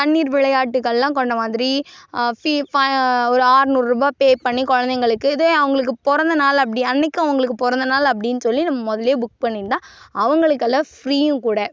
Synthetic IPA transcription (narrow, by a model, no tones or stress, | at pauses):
t̪ɐnːiːɾʋɪɭɐjaːʈːɯkːɐɭːãːkɔɳɖɐmaːðɪɾififɐɔɾɯaːɾnuːɾɾɯbaːpeːpɐɳːikɔɻɐnd̪ɐɪŋɡɐɭɯkːɯɪðeɐʋɐŋɡɐɭɯk̬ːɯpɔɾɐnd̪ɐnaːlɐp̬ːɐɽɪɐnːɛkːʊ̃ɐʋɐŋɡɐɭɯkːɯpɔɾɐnd̪ɐnaːlɐp̬ːɐɽɪnːɯsɔlːinɐmːɐmɔðɐljeːbʊk̚pɐɳːɪɾt̪ːãː | ɐʋɐŋɡɐɭɯkːɐlːɐfɾiːjɯ̃kuːɽɐ